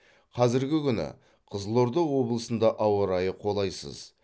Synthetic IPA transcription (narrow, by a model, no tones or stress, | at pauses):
qʰɑzɪɾɡʲɪkʲʰʏnɪ̰ | qʰəzlˠo̞ɾd̪əwo̞blˠəsənd̪ɑʔɑwəɾɑjəqʰo̞lˠɑjsə̰z